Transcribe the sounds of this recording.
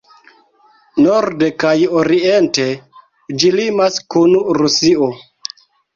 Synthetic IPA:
noɾdekajoɾiente̞ | d͡ʒilimaskunɾusio

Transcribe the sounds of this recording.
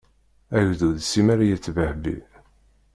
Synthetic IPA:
æʝðuðsimæɾajət͡sːvəhbḭ

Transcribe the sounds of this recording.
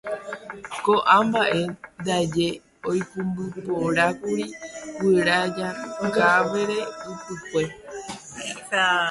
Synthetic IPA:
koʔãmbaʔe̞nd̪ad͡ʒe̞ | ojpũmbɨpoɾakuɾiwɨɾad͡ʒaɡaʋe̞ɾe̞upɨkʷe̞

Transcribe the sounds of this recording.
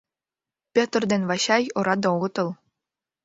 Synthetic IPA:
pʲet̪̆rd̪envɑɕɑjŏɾɑd̪ooɣɤ̆t̪ɤ̆lˠ

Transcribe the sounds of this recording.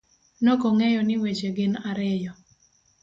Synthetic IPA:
nokoŋɛjɔnɪwet͡ʃeɡɪnaɾɛjɔ

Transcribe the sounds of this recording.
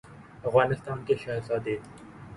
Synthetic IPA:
ɐfɣaːnɪst̪aːnkeʃaɦsaːd̪eː

